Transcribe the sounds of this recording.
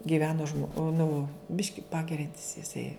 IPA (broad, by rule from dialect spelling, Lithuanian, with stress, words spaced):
ɡʲɪˈʋʲæːnoː ʒmoː ˈnʊ ˈbʲɪʃʲkʲɪ ˈpɑːɡʲɛrʲɛnʲtʲɪs jɪˈsɐɪ